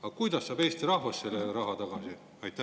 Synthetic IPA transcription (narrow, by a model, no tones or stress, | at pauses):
ɑkujd̪ɑsːɑːbe̞ːst̪iɾɑhvɑsːelːeɾɑɦɑt̪ɑɡ̥ɑsi | ɑjt̪